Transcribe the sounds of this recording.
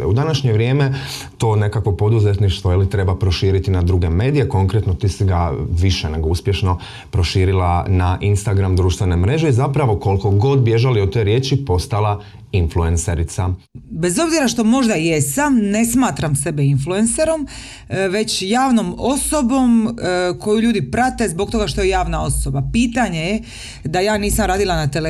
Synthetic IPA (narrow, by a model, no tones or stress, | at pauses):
ḛud̪anaʃɲe̞ʋɾje̞ːme | t̪o̞ːne̞kakʋo̞po̞d̪uzet̪niʃt̪ʋojelit̪ɾe̞bapɾo̞ʃiːɾit̪inad̪ɾuɡe̞me̞ːd̪ije̞ko̞ŋkɾet̪no̞t̪iːsiɡaʋiʃene̞ɡo̞uspje̞ʃno̞ | pɾo̞ʃiːɾilˠanaʔinst̪aɡɾamd̪ɾuːʃt̪ʋe̞ne̞mɾe̞ʒe̞izapɾaʋo̞ko̞lko̞ɡo̞d̪bje̞ʒaliot̪ːo̞jɾje̞ːt͡ʃipo̞st̪alˠa | influenseɾit̪sa | be̞zo̞bziɾaʃt̪o̞mo̞ʒd̪ajesamne̞smaːt̪ɾamse̞beinfluense̞ɾo̞m | ʋe̞t͡ɕjaːʋno̞mo̞sobo̞mko̞juʎuːd̪ipɾat̪e̞zbo̞k̚t̪o̞ɡaʃt̪o̞je̞jaːʋnao̞so̞bapiːt̪aɲe̞je | d̪ajaːniːsamɾaːd̪ilˠanat̪ele